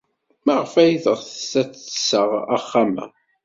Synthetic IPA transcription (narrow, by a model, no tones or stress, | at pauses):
mæʁfæjðəʁθə̥sæt͡sːə̥sːəʁaχːamæ̰